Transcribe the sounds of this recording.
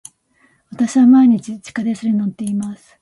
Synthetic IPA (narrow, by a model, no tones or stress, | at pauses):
βat̪aɕiβamaiɲ̟it͡ɕit͡ɕi̥kad̪esɨɾenot̪ːe̞imasɨ̥